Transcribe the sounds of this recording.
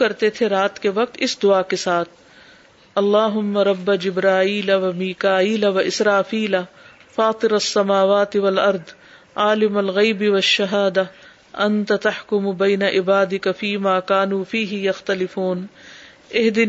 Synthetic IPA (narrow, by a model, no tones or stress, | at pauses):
ɐɾt̪et̪ʰeɾaːt̪keʋɐk̚t̪ɪsd̪ʊakesaːt̪ʰ | ɐlːaːɦʊmːɐɾˤɐbːad͡ʒɪbɾaːiːlɐʋɐmiːkaːiːlɐʋɐʔɪsɾaːfiːla | faːt̪ˤɪɾɐsːɐmaːʋaːt̪ɪʋɐlɐɾd̪ | aːlɪmɐlɣɐjbɪʋɐʃːɐɦaːd̪a | ɐnt̪at̪ɐħkʊmʊbɐːnɐʔɪbaːd̪ɪkafiːmaːkaːnuːfiːɦɪjɐxt̪ɐlɪfuːn | ɪɦd̪ɪ